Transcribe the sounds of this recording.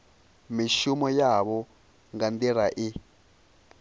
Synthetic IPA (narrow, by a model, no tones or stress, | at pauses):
miʃumɔjaβɔ | ŋɡand̪iɾaʔɪ